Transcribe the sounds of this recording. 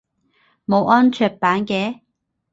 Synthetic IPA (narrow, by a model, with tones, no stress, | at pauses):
mo˨˧wʔɔː˥nt͡ʃʰœː˧t̚paː˨˥nkɛː˨˥